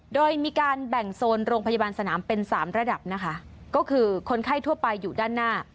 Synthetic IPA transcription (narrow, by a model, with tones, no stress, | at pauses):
doː˧jmiː˧kaː˧nbɛ˨˩ŋsoː˧nɾoː˧ŋpʰa˧ja˧baː˧nsa˧naː˩˦mpe˧nsa̰ː˩˦mɾa˧da˨˩p̚na˦˥kʰa˦˥kɔː˥˩kʰɯː˧kʰo˧nkʰa˥˩jt̪ʰu˥˩ɐpa˧jːuː˨˩daː˥˩nːaː˥˩